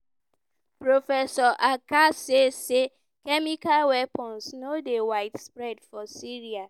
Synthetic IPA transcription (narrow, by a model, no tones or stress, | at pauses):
pɹofɛsɔʔakasese | kɛmikalwɛpɔ̃nsnodewaɪtspɹɛdfɔsiɹia